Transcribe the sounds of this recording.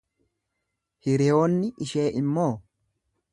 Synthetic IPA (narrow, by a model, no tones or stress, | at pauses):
hɪɾɪjo̞ːnːɪʔɪʃeːʔɪmːo̞ː